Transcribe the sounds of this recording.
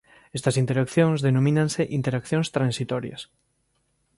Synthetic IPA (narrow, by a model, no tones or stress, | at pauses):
est̪ɐsint̪eɾakθjõŋzðenomĩnãnseʔint̪eɾakθjõŋst̪ɾãnsit̪ɔɾjɐ̰s